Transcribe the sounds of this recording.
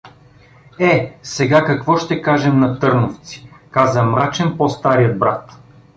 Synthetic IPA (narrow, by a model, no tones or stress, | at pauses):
ɛsɛɡakɐkvɔʃt̪ɛkaʒɛmnɐt̪ɤɾnʊft̪si̥kazəmɾat͡ʃɛnpɔst̪aɾiəd̪̚bɾat̪